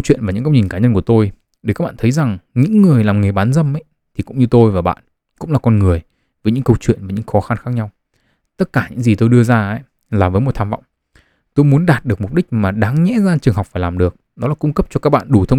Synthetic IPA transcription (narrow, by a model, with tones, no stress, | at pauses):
wt͡ɕwḭ˧˨ənvaː˨˩ɲɨ̰˧˥kə˧wɲi˨˩ŋ̟kaː˨˦ɲə˧nku˧˩ət̪o˧j | ɗe˨˩kaː˦˥k̚ɓaː˧˨t̪ʰə˨˦jza˨˩ŋɲɨ̰˧˥ŋːɨ˨˩əjlaː˨˩mŋe˨˩ɓaː˨˦nzə˧mʔə˧˦j | t̪ʰi˨˩kʊ̰˧˥ŋ͡mɲɨ˧t̪o˧jvaː˨˩ɓa̰ː˧˨n | kʊ̰˧˥ŋ͡mlaː˨˩kɔ˧nŋɨ˨˩əj | vəː˨˦jɲɨ̰˧˥ŋkə˧wt͡ɕwḭ˧˨ənvaː˨˦ɲɨ̰˧˥ŋxɔ˨˦xa˧nxaː˦˥k̚ɲa˧w | t̪ə˦˥t̚kaː˧˩ɲɨ̰˧˥ŋzi˨˩t̪o˧jɗɨ˧əzaː˧a̰˧˦j | laː˨˩vəː˨˦mo˨˩t̪ʰa˧mva̰˧˨wŋ͡m | t̪o˧jmu˨˦ənɗaː˨˩t̚ɗɨ˨˩ək̚mʊ˨˩k͡p̚ɗï˦˥k̟̚maː˨˩ɗaː˨˦ŋɲɛ̰˧˥zaː˧t͡ɕɨ˨˩əŋɦa˨˩wk͡p̚faː˧˩jlaː˨˩mɗɨ˨˩ək̚ɗɔ˨˦laː˨˩kʊ˧ŋ͡mkə˦˥p̚t͡ɕɔ˧kaː˦˥k̚ɓa̰ː˧˨nɗu˨˧˩t̪ʰə˧